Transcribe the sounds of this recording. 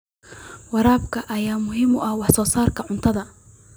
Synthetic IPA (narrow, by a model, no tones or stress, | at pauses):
wɑɾaːbkʰɐʔɐjaːmʊɦɪmʊʔɐhwɑħsɔːsaːrkʰɐʕʊnt̪ʰɐðɐ